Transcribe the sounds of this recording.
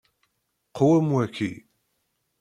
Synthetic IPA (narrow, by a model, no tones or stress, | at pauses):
qʰowæmwækːḭ